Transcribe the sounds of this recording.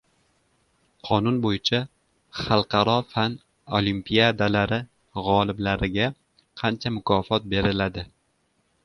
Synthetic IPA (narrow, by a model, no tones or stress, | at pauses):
qʰɒnʊnbojɪt͡ʃʰa | χɑlˠqʰɑɾɒfan | olimpʰijad̪alaɾɪ | ʁɒlˠɪblaɾɪɡʲa | qʰɑnt͡ʃʰamʊkʰɒfɒt̪̚be̞ɾɪlad̪ɪ